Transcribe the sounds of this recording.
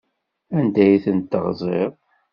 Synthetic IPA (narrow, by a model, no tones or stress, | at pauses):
ænd̪æjθənt̪ːəʁzˤeʁˤ